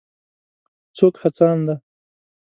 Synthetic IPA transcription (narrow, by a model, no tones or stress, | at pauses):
t͡sokhat͡sɑːnd̪a